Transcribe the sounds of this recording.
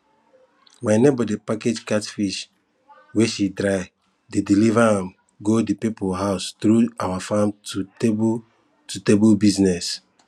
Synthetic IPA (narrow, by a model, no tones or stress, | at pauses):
wanebɔdipaked͡ʒkatfiʃ | weʃidɾaɪ | dedilivaãm | ɡodipipoɦaʊstɾuawafãmtuteb | tutebulbiznɛs